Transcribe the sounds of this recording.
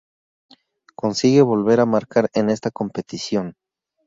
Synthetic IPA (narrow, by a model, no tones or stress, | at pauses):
ko̞nsiɣe̞βo̞lβe̞ɾamaɾkaɾene̞st̪ako̞mpe̞t̪isjo̞n